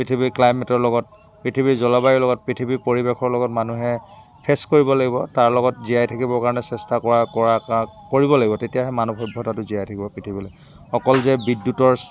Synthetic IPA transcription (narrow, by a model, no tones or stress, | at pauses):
pɹitʰibiklajmɛtɔɹlɔɡɔt̚ | pɹitʰibizɔlɔbajilɔɡɔt̚pɹitʰibipoɹibexʰɔɹlɔɡɔtmanuɦɛ | pʰestkoɹibɔlaɡibɔtaɹlɔɡɔtziajtʰakibɔɹkaɹɔnɛsɛstakɔɹakɔɹakoɹibɔlaɡibɔtetijaɦɛmanubɔjbʱːɔtatʊziajtʰakibɔpɹitʰibɔlo | xɔkɔlzɛbidːjutɔɹ